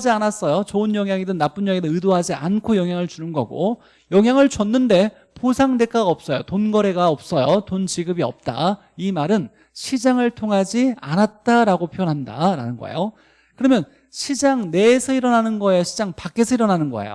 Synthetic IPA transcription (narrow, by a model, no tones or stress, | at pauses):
d͡ʑianas͈ʌjot͡ɕoɯnjʌŋɦjaŋidɯnnːap͈unjʌŋidɯnɯdoɦad͡ʑia̰nkʰojʌŋɦjaŋɯɭt͡ɕunɯnɡʌɡo̰ | jʌŋɦjaŋɯɭt͡ɕʌnːɯnde̞ | posʰaŋde̞k͈ʰaɡaʌp̚s͈ʌjotonɡʌɾe̞ɡaʌp̚s͈ʌjotont͡ɕiɡɯbiʌ̰p̚t͈a̰ | imaɾɯn | ɕʰid͡ʑaŋɯɭtʰoŋɦad͡ʑianat̚t͈aɾaɡopʰjojʌnɦanda̰ɾa̰nɯnɡʌ̰ḛjo | kɯɾʌmjʌn | ɕʰid͡ʑaŋne̞ːsʰʌiɾʌnɦanɯnɡʌejoɕʰid͡ʑaŋpak͈e̞sʰʌiɾʌnanɯnɡʌ̰ḛjo̰